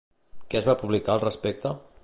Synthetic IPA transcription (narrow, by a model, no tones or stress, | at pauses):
kɛəzβapuβlikaəlˠrəspɛk̚t̪ə